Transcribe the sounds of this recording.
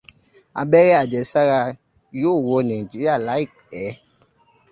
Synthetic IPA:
a̰˧bɛ˦ɾɛ˦a˨d͡ʒɛ˨sa˦ɾa˧ | joː˦˨wo˧nã˨i˨d͡ʒi˨˦ɾi˦a˦˨la˨˦i˦˨k̚ | ɛ˨˦

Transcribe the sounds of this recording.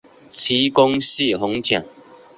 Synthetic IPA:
t͡ɕʰi˨˦kɔ˦ŋɕi˥˨ɦʊ˨˦ŋt͡ɕʰjã˨˩ŋ

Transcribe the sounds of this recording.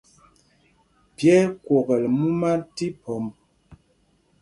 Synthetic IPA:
pjɛ˦kwo˨ɣɛ˨lmu˦ma˦ti˦pɔ˨m

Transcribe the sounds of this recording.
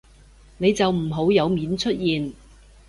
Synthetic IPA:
ne˨˧jt͡sɐ˨wm̩˨˩ɦo˨˥wjɐ˨˧wmiː˨˥nt͡ʃʰɵ˥t̚jiː˨n

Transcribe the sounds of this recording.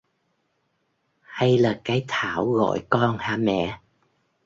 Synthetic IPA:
ha˧jlaː˨˩kaː˨˦jt̪ʰaː˧˩wɣɔ̰˧˨jkɔ˧nhaː˧˩mɛ̰˧˨

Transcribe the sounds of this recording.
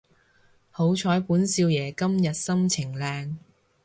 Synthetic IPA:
ho˨˥wt͡ʃʰɔː˨˥jpuː˨˥nsiː˧wjɛː˨˩kɐ˥mjɐ˨t̚sɐ˥mt͡sʰɪ˨˩ŋlɛː˧ŋ

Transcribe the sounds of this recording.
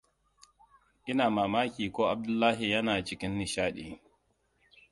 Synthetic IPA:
ʔɪ˦naː˨maː˨maː˦kʲiː˨kɔː˦ʔa˨b̚dʊ˦lːaː˦ɦi˨jɐ˦naː˨t͡ʃɪ˨kʲɪ˦nːi˨ʃaː˦ɗḭ˨

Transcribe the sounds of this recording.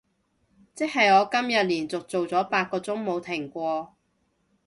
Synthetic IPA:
t͡sɪ˥k̚ɦɐ˨jɔː˨˧kɐ˥mjɐ˨t̚liː˨˩nt͡sʊ˨k̚t͡so˨wt͡sɔː˨˥paː˧t̚kɔː˧t͡sʊ˥ŋmo˨˧wt̪ʰɪ˨˩ŋkʷɔː˧

